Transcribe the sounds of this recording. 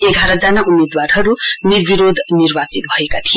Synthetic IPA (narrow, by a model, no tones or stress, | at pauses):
eɡʱaɾʌd͡zanaʔumed̪warɦʌɾunirbiɾod̪ʱnirbat͡sit̪̚bʱʌekat̪ʰij